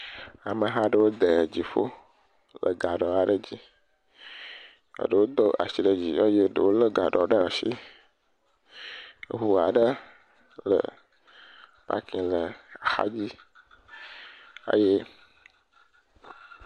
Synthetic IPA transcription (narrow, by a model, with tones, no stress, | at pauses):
a˨mə˨ɦa˦ɖə˦wo˦d̪ə˨d͡ʑi˨fo˦ | lə˨ɡa˨ɖɔ˨a˨ɖə˦d͡ʑi˦ | ə̰˨ɖə˨wo˦d̪ɔ˦a̰˨si˨ɖə˨d͡ʑi˨jɔ˦je˦ɖə̰˨wo˦lə˦ɡa˨ɖɔ˨ɖə˦˨ʃi˦˨ | ɦu˨a̰˨ɖə˦ | lə̰˨ | pa̰˦kĩ˨lə˨a˨xa̰˦d͡ʑi˦ | a̰˨je˦